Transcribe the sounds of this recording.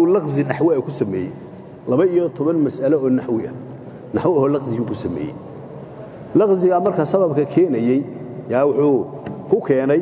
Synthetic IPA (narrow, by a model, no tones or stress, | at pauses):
ʊːlɑqzɪnɐħwɛːkʰʊsɐmɛːjɛ̰j | lɐβɐijɔt̪ʰɔβɐnmɐsʔɐlɐɔːnɐħwɪɐ̰ | nɐħwɪɐhɔːlɑqzɪjukʰʊsɐmɛ̰ːjɛ̰j | lɑqzɪɣɐmɐrkʰɐsɐβɐbkʰɐkʰɛːnɐjɛj | jaːwʊħuː | kʰʊkʰɛːnɛj